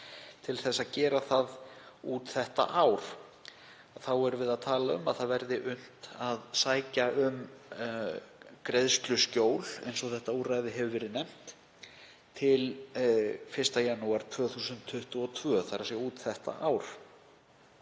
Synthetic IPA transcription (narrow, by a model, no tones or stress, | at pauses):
t̪ʰɪlθɛsːaðcɛːɾaθaðuːt̪θɛht̪a̰ʔaːwɾ̥ | aθawɛɾʏvɪðaðt̪ʰaːlaʏmaðθaðvɛɾðɪʔʏn̥t̪aðsaːjcaʏm | kɾeðst̪lʏscoːwlejnsɔθɛht̪auːrajðɪɦɛvʏvɛːɾðɪnɛm̥t̪ | t̪ʰɪl | fɪr̥st̪ajanːuaɾ̥t̪ʰvœːθuːsʏntt̪ʰːʏht̪ʏɔt̪ʰvœːθaɾasjɛuːt̪θɛht̪a̰ʔaːwɾ̥